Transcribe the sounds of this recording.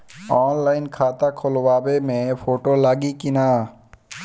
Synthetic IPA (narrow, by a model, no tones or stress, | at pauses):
ɔːnlaːɪnkʰaːt̪akʰolwaːbemẽpʰoːʈolaːɡikinaː